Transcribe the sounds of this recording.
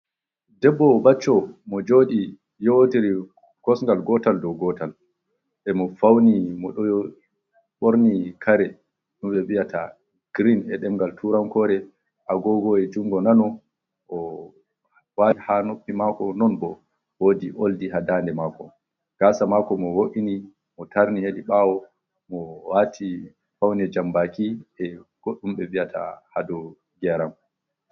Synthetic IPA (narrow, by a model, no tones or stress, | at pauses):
dɛbːɔbat͡ʃːɔmɔd͡ʒoːɗi | jotiɾi | kɔsŋɡalɡɔtaldɔɡɔtal | ɓɛmɔfawnimɔɗɔj | ɓoɾnikʰaɾɛ | ɗumɓɛɓijatʰa̰ | ɡ̥ɾinɛɗɛmɡaltʰuɾaŋkɔɾɛ | ʔaɡɔɡɔɛd͡ʒuŋɡɔnanɔ | ʔɔ | wahanopːimakɔnɔnbɔ | wodiʔoldiɦadandɛmaːkɔ̰ | ɡ̥asamakɔmɔwoʔini | mɔtaɾniheɗiɓawɔ | mɔwatʰi | fawnɛd͡ʒambakiʔɛɡ̥ɔɗumɓɛviatʰa̰hadɔ | ɡɛɾam